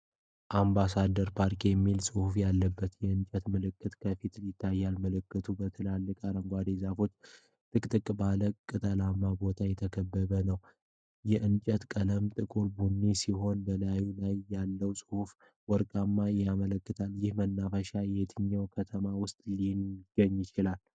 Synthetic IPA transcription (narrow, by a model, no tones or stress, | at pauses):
ʔambasad̪əɾpʰaɾkʰijɛmːilsʼɨhufjalːəbːət̪jɛɨnt͡ʃʼət̪mɨlɨkːɨt̪kʰəfit̪ljɪt̪ʰːajːalməlɨkːɨt̪ʰubət̪ʰəlalːɨkʼaɾəŋɡʷad̪ezafo̞t͡ʃː | t̪ʼɨkʼt̪ʼɨkʼbaləkkʼːɨt̪ʼəlamːabo̞t̪ʰajɛt̪ʰəkʰəbːəβənəw | jɛʔɨnt͡ʃʼət̪kʼələmt̪ʼɨkʼulbunːisiɦo̞nbəlajulajːalːəwsʼɨhuf | wɔɾkʼamːajamələkːɨt̪ʰaljɪhmənːafəʃajɛt̪ʰɨɲːəwkʰət̪ʰəmawʊst̪ʼliɡ̥ːəɲːjɪt͡ʃɪlal